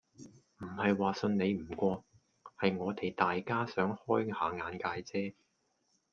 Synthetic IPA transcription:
m̩˨˩hɐ˨jwaː˨sɵ˧nne˨˧jm̩˨˩kʷɔː˧ | hɐ˨jŋɔː˨˧t̪e˨jt̪aː˨jkaː˥sœː˨˥ŋhɔː˥jhaː˨˧˥ŋaː˨nkaː˧jt͡sɛː˥

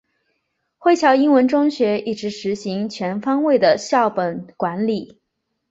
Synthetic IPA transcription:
xwe˥˩ɪt͡ɕʰjɑ˧˥ʊi˥nwə˧˥nʈ͡ʂʊ˥ŋɕɥɛ˧˥i˥˩ʈ͡ʂɻ̩˧˥ʂɻ̩˧˥ɕi˧˥ŋt͡ɕʰɥɛ˧˥nfɑ˥ŋwe˥˩ɪd̪ə˩ɕjɑ˥˩ʊpə˨˩nkwa˧˥nli˨˩˦

